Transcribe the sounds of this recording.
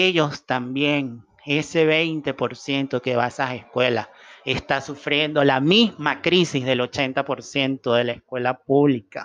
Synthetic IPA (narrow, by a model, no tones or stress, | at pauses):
eʝo̞st̪ambjeŋ | e̞se̞βejnt̪e̞po̞ɾsje̞nt̪okeβasaseskwe̞lase̞st̪asufɾje̞nd̪o̞lamizmakɾisizðe̞lo̞t͡ʃe̞nt̪apo̞ɾsje̞nt̪o̞ðe̞laeskwe̞lapuβlika